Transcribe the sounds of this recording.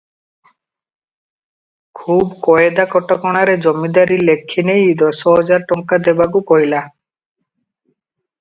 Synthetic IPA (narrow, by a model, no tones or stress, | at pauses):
kʰubkɔed̪akɔʈːakɔɽ̃aɾed͡ʑomːid̪aɾilekʰːinejd̪ɔsɔɦɔd͡ʑaɾʈɔŋkad̪ebaɡukoila